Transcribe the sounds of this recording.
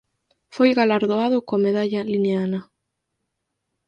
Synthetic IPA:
fojɣalaɾðoaðokomeðaʎalineana

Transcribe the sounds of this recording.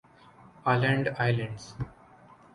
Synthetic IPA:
alɛ̃ɳɖaɪlə̃ɳɖs

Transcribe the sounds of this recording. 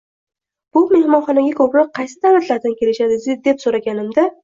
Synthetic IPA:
b̥ʊme̞hmɒnχɒnaɡʲakʰɵpɾɒq̚qʰːɑjsɪd̪avlat̪laɾd̪ankʲʰe̞lɪʃad̪ɪzd̪e̞psoɾaɡʲanɪmd̪a

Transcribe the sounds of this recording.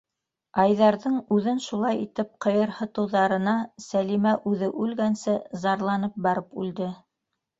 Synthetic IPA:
ɑjðɑɾðɤɴʉðɘnʃulˠɑjit̪ɘp̚qɤ̆jɤ̆ɾhɤ̆t̪ɤ̆wðɑɾɤ̆nɑsælimæʔʉðɘʔʉlɡænsɘzɑɾlˠɑn̪ɤp̚bɑɾɤpʉ̰ld̪ɘ

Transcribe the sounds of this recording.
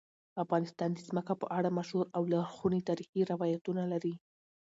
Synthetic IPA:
afɣɑnɪst̪ɑnd̪əzməkapə̰ʔaɽamaʃhuɾawlaxunit̪ɑɾixiɾɪwɑjat̪unalaɾi

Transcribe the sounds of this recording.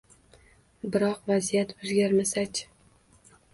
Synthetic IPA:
bɪɾɒqvazijat̪ɵzɡʲaɾmɪsat͡ʃʰ

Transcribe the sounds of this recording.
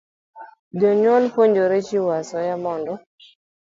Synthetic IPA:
dɔɲwɔlpoɲd͡ʒoɾet͡ʃiwasɔjamɔndɔ

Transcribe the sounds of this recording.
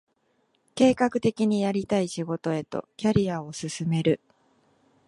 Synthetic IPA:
ke̞ːkakɯ̟̥t̪e̞kʲiɲ̟ijaɾʲit̪aiɕiɡo̞t̪o̞e̞t̪o̞̰kʲaɾʲiaosɨsɨme̞ɾɯ̟

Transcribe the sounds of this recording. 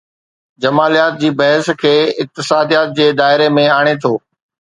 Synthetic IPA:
d͡ʑɐmaːlijaːt̪̚d͡ʑiːbɐɦɪskʰeːɪk̚t̪ɪsaːd̪ijaːt̪̚d͡ʑeːd̪aːɪɾemẽaːɽ̃et̪ʰoː

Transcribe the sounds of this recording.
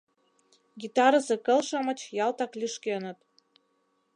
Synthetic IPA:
ɡʲit̪ɑɾə̆sĕkə̆lʃɑmɤ̆t͡ɕjɑlt̪ɑklʲyʃkenə̆t̪

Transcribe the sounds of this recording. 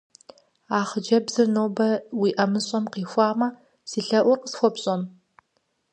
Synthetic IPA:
aːχəd͡ʒɐbzɨrnoːbɐwiːʔɐmɨɕʼɐmqiːxʷaːmɐ | siːɬɐʔʷʊrqəsxʷɔbɕʼɐɔm

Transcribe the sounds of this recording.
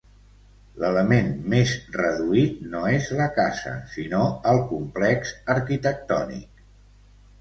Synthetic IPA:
lələmenmezrəðuit̪̚noezləkazə̰sinoəlˠkumplɛksəɾkit̪ək̚t̪ɔnḭk

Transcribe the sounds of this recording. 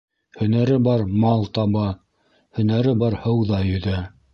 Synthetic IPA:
hɵ̆næɾɘbɑɾmɑlˠt̪ɑβɑ | hɵ̆næɾɘbɑɾhɤ̆wðɑjɵ̆ðæ

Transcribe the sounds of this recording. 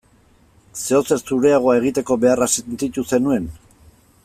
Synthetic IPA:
se̞ose̞suɾe̞aɣ̞o̞ae̞ɣ̞it̪e̞ko̞be̞arasent̪it̪use̞nue̞n

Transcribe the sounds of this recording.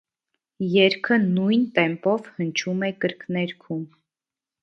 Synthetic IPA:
jɛɾkʰənujnt̪ɛmpɔvhənt͡ʃʰumɛkəɾknɛɾkʰum

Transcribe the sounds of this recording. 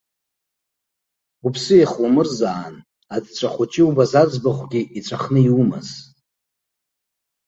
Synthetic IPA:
upʰsɨjaχumɨrzaːn | adt͡ʃʷʰʼaχʷut͡ʃʼiubazad͡zbaχʷɡʲiit͡sʷʰʼaχnɨiuma̰z̥

